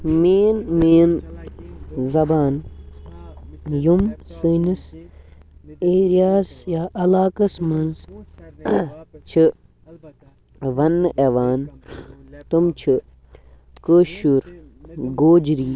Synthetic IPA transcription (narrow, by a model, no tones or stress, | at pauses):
meːnmeːn | zɐbaːn | jumsɨnis | eːɾijaːsjaːʔɐlaːkɐsmɐnz | t͡ʃʰɨ | ʋɐnːʔeʋaːn | t̪umt͡ʃʰi | kəːʃuɾ | ɡoːd͡ʒɾiː